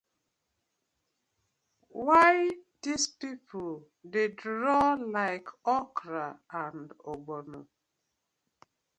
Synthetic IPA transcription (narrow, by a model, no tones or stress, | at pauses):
waɪdispipʰol | dedɾɔlaɪkʰɔkɾaãndoɡ͡bono